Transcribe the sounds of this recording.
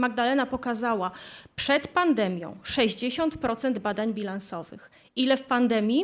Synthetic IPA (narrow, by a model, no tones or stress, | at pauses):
maɡ̚d̪alɛnapɔkazawapʂɛt̪pand̪ɛmʲjɔ̰̃w̃ʂɛʑd͡ʑeɕɔnt̪pɾɔt̪sɛnd̪bad̪aɲbʲilansɔvɘ̰x | ʔilɛfpand̪ɛmʲji